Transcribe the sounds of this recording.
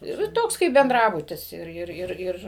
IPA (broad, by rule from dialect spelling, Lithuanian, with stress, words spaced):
ɪr ɪ ˈtoːks kɐɪp bʲɛnˈdrɑːbʊtʲɪs ˈɪr ˈɪr ˈɪr ˈɪr